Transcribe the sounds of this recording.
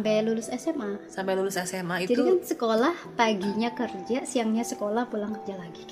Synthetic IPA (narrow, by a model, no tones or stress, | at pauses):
mpɛlulʊsɛsɛmasampɛlulʊsɛsɛmaitd͡ʒadikansəkolahpaɡiɲakərd͡ʒasiaŋɲasəkolahpulaŋkərd͡ʒalaɡi